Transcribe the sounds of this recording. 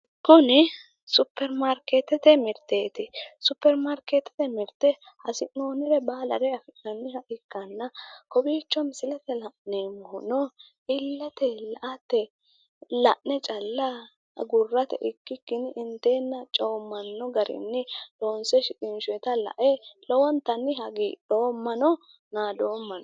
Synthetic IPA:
kʊnɪ | sʊpːɛɾmaɾkeːt̪ːɛt̪ɛmɪɾt̪eːt̪ɪsʊpːɛɾmaɾkeːt̪ːɛ̥t̪ɛmɪɾt̪ɛ | hɐsɪʔnoːnɪɾɛbaːlɐ̰ɾɛɐfɪʔɐnːɪhɐʔɪkːɐnːɐkɔbiːt͡ʃːɔmɪsɪlɛt̪ɛlɐʔneːmɔhʊnɔ | ʔɪlːɛt̪ɛlɐʔɐt̪ːɛ | lɐ̰ʔnɛt͡ʃʼɐlːa | ɡʊrːɐt̪ɛ̰ʔɪkːɪkːɪnɪnt̪eːnːɐt͡ʃʼoːmːɐnːɔɡɐɾɪ̰nːɪlo̞ːnsɛʃɪkʼɪnʃʊɛt̪ɐlɐ̰ʔelɔwɔnt̪ɐnːɪɦɐɡiːɗo̞ːmːɐnɔ | naːd̪o̞ːmːɐnɔ

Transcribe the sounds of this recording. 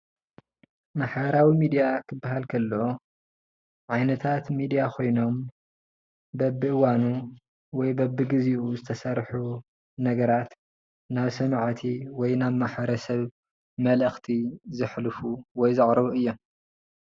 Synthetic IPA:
maħbɐɾawimid̪ijakʰɨbːaɦalkʰɐlːɐo | ʕajnɐt̪ʰat̪mid̪ijakʰo̞jno̞m | bɐbːɨʔɨwanu | wɔjbɐbːɨɡɨziʔuzɨt̪ʰɐsɐɾħu | nɐɡɐɾat̪ | naβsɐmaʕt̪ʰiwɔjnaβmaħbɐɾɐsɐβ | mɐlɐxt̪ʰizɨħlfuwɔjzɨʕɾɐβuɨjːo̞m

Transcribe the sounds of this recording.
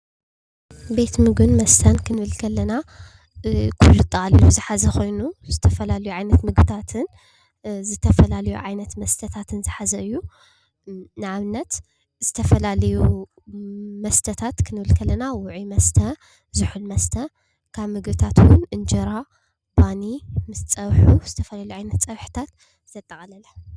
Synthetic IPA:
be̞t̪mɨɡɨnmɐst̪ʰɐnkʰɨnɨβɨlkʰɐlːɐna | kʰulːut̪ʼaliluzɨħazɐxo̞jnuzɨt̪ʰɐfɐlalɐjuʕajnɐt̪mɨɡbɨt̪ʰat̪ʰɨn | zɨt̪ʰɐfɐlalɐjuʕajnɐt̪mɐst̪ʰɐt̪ʰat̪ʰɨnzɨħazɐʔɨjːu | nɨʕaβɨnːɐt̪ | zɨt̪ʰɐfɐlalɐju | mɐst̪ʰɐt̪ʰat̪kʰɨnɨβɨlkʰɐlɐnawʊʕimɐst̪ʰɐ | zɨħulmɐst̪ʰɐ | kʰaβmɨɡbɨt̪ʰat̪wʊnɨnd͡ʒɐɾa | banimɨst͡sʼɐβħuz̥ɨt̪ʰɐfɐlalɐjuʕajnɐt̪t͡sʼɐβħɨ̥t̪ʰat̪ | t̪ʰɐt̪ʼːɐxʼalɐla

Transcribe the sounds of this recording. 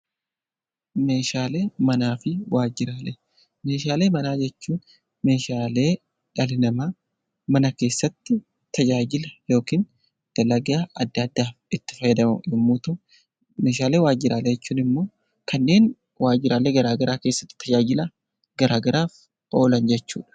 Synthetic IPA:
me̞ːʃaːleːmɐnaːfɪwaːd͡ʒɪɾaːlɛ | me̞ːʃaːle̞ːmɐnaːd͡ʒɛt͡ʃːuːn | me̞ːʃaːle̞ː | ᶑɐlɪnɐmɐ | mɐnɐke̞ːsːɐt̪ːɪ | t̪ɐd͡ʒaːd͡ʒɪlɐjo̞ːkiːn | d̪̥ɐlɐɡɪjaʔɐd̪ːɐd̪ːaːfɪt̪ːɪ̥fɐjɪd̪ɐmɐɪmːuːt̪ɔ | me̞ːʃaːle̞ːwaːd͡ʒɪɾaːlɛd͡ʒɛt͡ʃːuːnɪmːo̞ː | kɐnːe̞ːn | waːd͡ʒɪɾaːleːɡɐɾaːɡɐɾaːke̞ːsːɐt̪ːɪ̥t̪ʰɐd͡ʒaːd͡ʒɪlɐ | ɡ̥ɐɾaːɡɐɾaːf | ʔo̞ːlɐnd͡ʒɛt͡ʃːṵːᶑɐ̥

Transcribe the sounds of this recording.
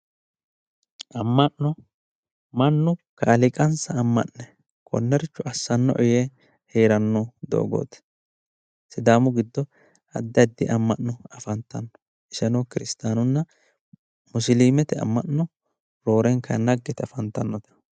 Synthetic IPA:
ʔɐmːɐnːɔ | mɐnːʊkɐːlɪkʼɐnsɐːmːɐ̰ʔnɛ | kʰɔ̰nːɛɾɪt͡ʃːʊʔɐsːɐnːɔ̰ʔɔje | heːɾɐnːɔd̪o̰ːɡo̰ːt̪ɛ̥ | sɪd̪aːmʊɡɪd̪ːɔ | ɐd̪ːɪɐd̪ːɪʔɐmːɐʔːʊɐfɐnt̪ːɐnːɔ̥ | ʔɪsɛnɔːkɪɾɪst̪aːnʊnːɐ | mʊsɪliːmɛt̪ɛɐ̰mːɐnːɔ | ɾo̞ːɾɛŋkɐnɐɡːɛt̪ɐfɐnt̪ːɐnːɔt̪ɐ̥

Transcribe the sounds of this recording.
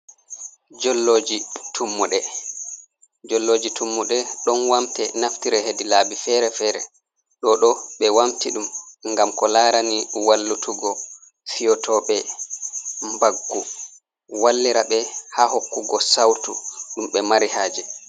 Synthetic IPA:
d͡ʒɔlːoːd͡ʒitʰumːuɗɛ | d͡ʒɔlːoːd͡ʒitumːuɗɛɗɔnwamtɛnaftiɾɛhedilaːbifɛɾɛfɛːɾɛ̰ | ɗɔɗɔɓɛwamtiɗumŋɡamkɔlaːɾaniwalːutʰuɡɔ | fijɔtʰɔɓɛ | mbaɡːu | walːiɾaɓɛhahokːuɡɔsawtṵɗumɓɛmaɾihaːd͡ʒɛ

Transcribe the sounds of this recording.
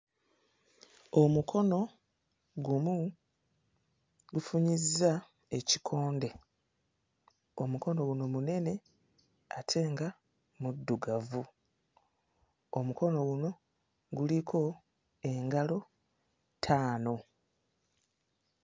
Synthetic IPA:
o̞mukʰo̞no̞ | ɡumu | ɡufuɲizːa | e̞cikʰo̞ːnde̞ | omuko̞no̞ɡuno̞mune̞ne̞ | atʰe̞ːŋɡa | mudːuɡavu | o̞muko̞no̞ɡuno̞ | ɡulikʰo̞ | e̞ŋɡalo̞ | tʰaːno̞

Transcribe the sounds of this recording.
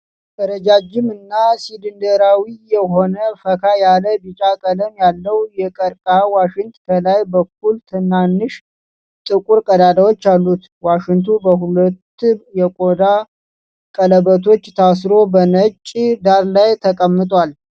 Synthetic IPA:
d̪əɾəd͡ʒad͡ʒɪmɨnːasid̪ɨnd̪əɾawijɛɦo̞nəfəkʰajaləbɨt͡ʃʼakʼələmjalːəwjɛkʼəɾkʼawaʃɪŋt̪kʰəlajbək̚ːult̪ʰɨnːanːɨʃ | t̪ʼɨkʼuɾkʼəd̪ad̪awo̞t͡ʃːalːut̪ | waʃɪŋt̪ʰubəɦulət̪ːjɛkʼo̞d̪a | kʼələbət̪ʰo̞t͡ʃːt̪ʰas̬ɾo̞bənət͡ʃʼːd̪aɾlajt̪ʰəkʼəmːɨt̪ʼwal

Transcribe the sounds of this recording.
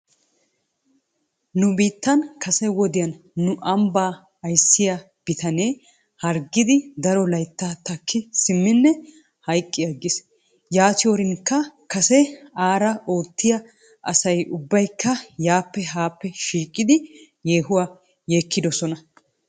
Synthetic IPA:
nʊbiːt̪ːɐnkʰɐsɛwɔd̪ɪjɐnː | ʊʔɐmbaː | ɐjsːɪja | b̥ɪt̪ʰɐne̞ː | hɐɾɡɪd̪ɪd̪ɐɾɔlɐjt̪ːaːt̪ɐkʰːɪsɪmːɪnːɛ | hɐjkʼːɪjɐɡːɪs | jaːt̪ɪjoɾɪnkːɐkɐsɛaːɾɐʔo̞ːt̪ːɪjɐ | ʔɐ̰sɐjʊbːɐjkʰːɐjaːpːɛɦaːpːɛʃiːkʼːɪd̪ɪ | jeːɦʊwaː | jeːkːɪd̪ɔsɔnɐ

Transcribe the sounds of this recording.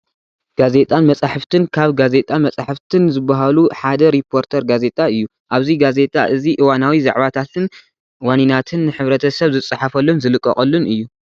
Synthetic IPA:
ɡ̥aze̞t̪ʼanmɐt͡sʼaħɨft̪ɨnkʰaβɡaze̞t̪ʼanmɐt͡sʼaħɨft̪ʰɨnzɨbːɐɦaluħad̪ɐɾipʰo̞ɾt̪ʰɐɾɡaze̞t̪ʼaɨjːu | ʔaβziɡaze̞t̪ʼa̰ʔɨziʔɨwanawiza̰ʕβat̪ʰat̪ʰɨn | waninat̪ʰɨnːɨħɨβɾɐt̪ʰɐsɐβzɨt͡sʼɨħafɐlːonzɨlɨkʼːɐ̰χʼɐlːunɨjːu

